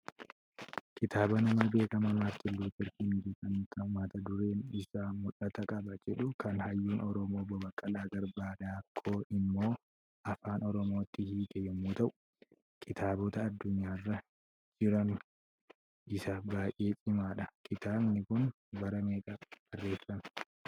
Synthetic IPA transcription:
kɪt̪ʰaːbɐnɐmɐbe̞ːkɐmɐmaːft̪ɪlːuːt̪ɪɾkɪnd͡ʒɛt̪ʼɐnk̪ːɐhʊmaːt̪ɐd̪ʊɾe̞ːnɪsamʊlɐt̪ɐkʼɐbɐd͡ʒɛᶑʊkʰɐnhɐjːuːnɔɾɔmoːbɔbɐkʼːɐlaːɡɐɾbaːd̪aːkʰːo̞ːʔɪmːo̞ː | ʔɐfaːnɔɾɔmo̞ːt̪ːɪhiːk̪ɛjɛmːuːt̪ɐʔʊ̥ | kʰɪt̪ʰaːbɔt̪ɐːd̪ːʊɲːaːrːɐ | d͡ʒɪɾɐn | ʔɪsabaːjʔːe̞ːt͡ʃʼɪmaːᶑɐkɪt̪aːbnɪkʊn | bɐɾɐmeːkʼɐb̥ɐrːe̞ːfɐn

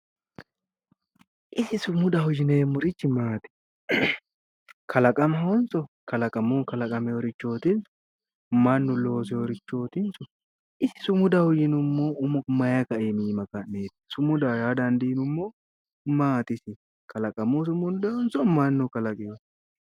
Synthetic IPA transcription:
ʔɪsɪsʊmʊd̪ahʊd͡ʒɪneːmʊɾɪt͡ʃːɪmaːt̪ɪ̥ | kʰɐlɐkʼɐmhɔnsɔkɐlɐkʼɐmukɐlɐkʼɐmɛɔɾɪt͡ʃːo̞ːt̪ɪnsʊ̥ | mɐnːʊlo̞ːsɛɔɾɪt͡ʃːo̞ːt̪ɪnsʊ | ʔɪsɪ̥sʊmʊd̪ahʊd͡ʒɪnʊmːoːʊmmɐjɐkɐʔemiːmɐkɐnneːt̪sʊmʊd̪ajaːd̪ɐnd̪inʊmːoː | maːt̪ɪsɪ | kɐlɐkʼɐmus̬ʊmʊnd̪ɛɔnsɔmɐnːʊkɐlɐkʼe

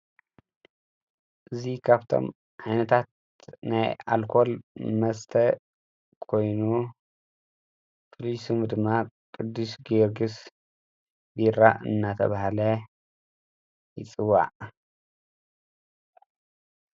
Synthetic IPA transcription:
ʔɨzikʰaβt̪ʰo̞̰m | ʕajnɐt̪ʰat̪̚ | naja̰lkʰo̞lmɐst̪ʰɐ | kʰo̞jnu | pʰolisumd̪ɨmːakʼɨd̪ːuʃɡɨɾɡɨs | biɾa̰ɨ̰nːat̪ʰɐ̰βahlɐ | jɪt͡sʼɨwa̰ʕ

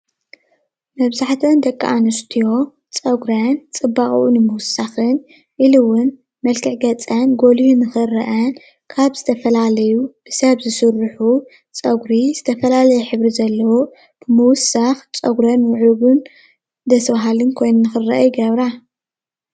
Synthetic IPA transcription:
mɐβzaħt̪ʰɐnd̪ɐkʼːa̰ʔanɨst̪ʰijo̞ | t͡sʼɐɡɾant͡sʼɨbːaχʼṵʔunɨmɨwʊsːaxɨn | ʔilɨwʊn | mɐlkʰɨʕɡɐt͡sʼanɡo̞liunɨxɨrɐ̰ʔɐn | kʰaβz̥ɨt̪ʰɐfɐlalɐjubɨsɐβzɨsɨɾɨħu | t͡sʼɐɡɾizɨt̪ʰɐfɐlalɐjɛħɨβɾizɐlːɐwo | b̥ɨmɨwʊsaxt͡sʼɐɡɾɐnwʊʕuɡɨn | d̪ɐsβaɦalɨnkʰo̞jnɨnːɨxɨrːɐ̰ʔjɡɐβɾa

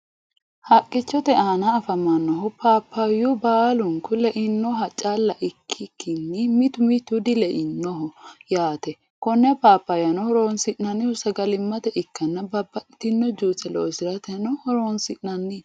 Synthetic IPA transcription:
hɐkʼːɪt͡ʃːɔt̪ɛaːnɐːfɐmɐnːɔɦʊpʰaːpːɐjʊbaːlʊŋkʊlɛʔɪnːɔɦɐt͡ʃʼalːɐʔɪkʰːɪkːɪnːɪmɪt̪ʊmɪt̪ʊd̪ɪlɛʔɪnːɔɦɔjaːt̪ɛ | kɔnːɛpaːpːɐjɐnɔhɔɾonsɪʔnɐnːɪhʊsɐɡɐlɪmːɐt̪ɛʔɪkːɐnːɐbɐbːɐt̪ɪnːɔd͡ʒuːt͡sːɛlo̰ːsɪɾɐt̪ɛnɔhɔɾoːnsɪʔnɐnːɪ

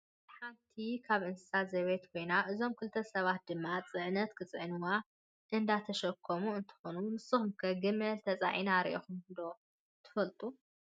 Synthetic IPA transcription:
ħant̪ʰikʰaβʔɨnsɨ̥sazɐβet̪kʰo̞jnaʔɨzo̞mkʰɨlt̪ʰːɐsɐβat̪̚d̪ɨmːat͡sʼɨʕnɐt̪kʰɨt͡sʼɨʕɨnɨwa | ʔɨnd̪at̪ʰɐʃɐkʰːomuɨnt̪ʰɨ̥xonunɨsɨxumkʰɐɡɨmɐlt̪ʰɐt͡sʼa̰ʕinaɾḭʔexumnd̪o | t̪ʰɨ̥fɐlt̪ʼu

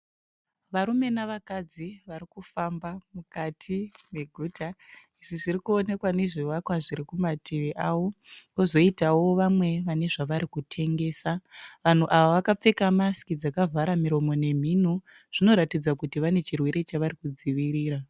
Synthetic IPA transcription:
ʋaɾume̞naʋakad͡ziʋaɾikufambamukatʰime̞ɡʱuːtʰa | iʐiʐirikuo̞ne̞kwane̞ʐiʋakwaʐiɾikumatʰeʋeʔaːwo̞ko̞zo̞itawo̞ʋamwe̞ʋane̞ʐaʋaɾikutʰe̞ŋɡe̞ːsaʋan̤uʔaʋaʋakap͡fe̞kamaskid͡zakavʱaɾamiɾo̞mo̞ne̞m̤in̤u | ʐ̥ino̞ɾatid͡zakutiʋane̞t͡ʃirwe̞ɾe̞t͡ʃaʋarikud͡ziʋiɾiːɾa

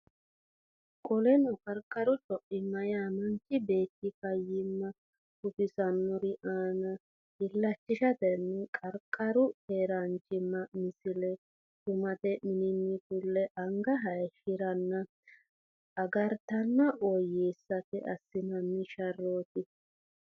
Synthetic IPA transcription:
kʼɔlɛnɔkʼɐɾkʼːɐɾʊt͡ʃʼɔʔɪmːɐjaːmɐnt͡ʃʼːɪbe̞ːt̪ːɪkɐjːɪmːɐ | kʊfɪsɐnːɔɾɪʔaːnɐ | ɪlːɐt͡ʃːɪʃɐt̪ɛnːɛkʼɐɾkʼːɐɾʊheːɾɐnt͡ʃʼɪmːɐmɪsɪlɛ | kʊmɐt̪ɛmɪnɪnːɪkʊlːɛʔɐŋɡɐɦɐjʃɪɾɐnːɐ | ɐɡɐɾt̪ɐnːɐʔɔjeːsːɐkɛʔɐsːɪmɐnːɪʃɐrːoːt̪ɪ

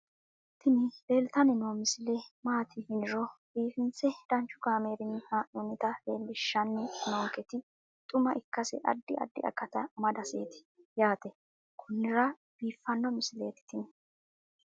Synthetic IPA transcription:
t̪ʰɪnɪbeːlt̪ɐnɪnoːmɪsɪlɛmaːt̪ʰɪhɪnɪɾɔb̥iːfɪnt͡sɛd̪̥ɐnt͡ʃːʊkaːme̞ːɾɪnaːʔonɛt̪ɐleːlːɪʃːɐnːɛnoːŋkɛt̪ɪ | t̪ʼʊmɐʔɪkːɐsɛ̰ʔɐ̰d̪ːɪʔɐ̰d̪ːɪ̰ʔɐ̰kːɐt̪ɐmɐd̪ɐseːt̪ɪ̥ | jaːt̪ɛ | kʰʊnːɪɾɐ | b̥iːfːɐnːɔmɪsɪle̞ːt̪ɪ̥t̪ɪnɛ

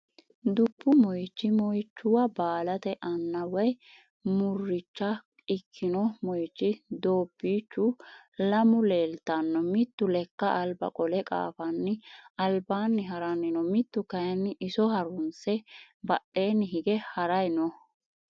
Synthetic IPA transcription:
d̪ʊpːʊmɔjt͡ʃːɪmɔjt͡ʃːʊwɐbaːlɐt̪ɛʔɐnːɐwɔj | mʊrːɪt͡ʃːɐ | ɪkʰːɪnɔmɔjt͡ʃːɪd̪oːpːiːt͡ʃːʊlɐmʊle̞ːlt̪ɐnːɔmɪt̪ːʊlɛkːɐʔɐlbɐ̰kʼɔlɛkʼa̰ːfɐnːɪɐlbaːnːɪɦɐɾɐnːɪnɔmɪt̪ːʊkɐjnːɪʔɪsɔhɐɾʊnsɛ | bɐɗːe̞ːnːɪɦɪɡɛhɐɾɐjnɔ

